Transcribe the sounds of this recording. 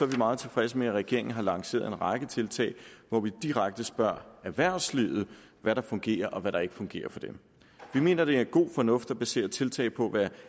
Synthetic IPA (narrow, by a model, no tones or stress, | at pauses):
sɒʋimɑ̈ːð̞̩ˠt͡sʰe̝lfʁɛsəmeæʁɛɡ̥e̝ɐ̰e̝ŋn̩ɦɑ̈lɑ̈ŋse̝̰ːɐðˠe̝nʁɑ̈ɡ̥ət͡sʰe̝lt͡sʰɛ̰ːɪʋɒʋid̥iʁɑɡ̥̚d̥əsb̥ɶɐ̰æʋæɐ̰sliðð̩ˠ | ʋæɾɑ̈fɔ̽ŋɡ̥e̝̰ːɐʔɒ̽ʋæɾɑ̈e̝ɡ̥əfɔ̽ŋɡ̥e̝̰ːɐfɒ̽d̥em | ʋime̝̰ːnɐd̥e̝æɐɡ̥o̝̰ːfɒ̽nɔ̽fd̥ɒb̥æse̝̰ːɐt͡sʰe̝lt͡sʰɛ̰ːɪpʰɒ̽ʋæ